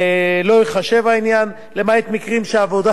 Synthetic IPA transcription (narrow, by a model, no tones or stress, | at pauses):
elo̞iχaʃe̞vainjan | lemaet̪mikʁimʃeaːvo̞d̪a